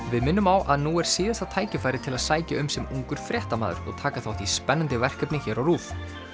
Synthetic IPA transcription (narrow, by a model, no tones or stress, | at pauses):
vɪðmɪnːʏmawʔaðnuɛɾ̥siːðast̪at̪ʰaːjcɪfaːjɾɪt̪ʰɪlaðsaːjcaʏmsɛmuŋkʏɾ̥fɾjɛht̪amaːðʏɾɔ̰ɣt̪ʰaːkaθawht̪ispɛnːant̪ɪvɛr̥kœpnɪçɛːɾawruːf